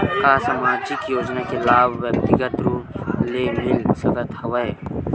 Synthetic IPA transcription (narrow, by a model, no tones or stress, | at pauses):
kaːsɐmaːd͡ʒikjoːd͡ʒnakelaːwːɐk̚t̪iɡɐt̪ɾuleːmilsɐɡɐt̪hɐwɐj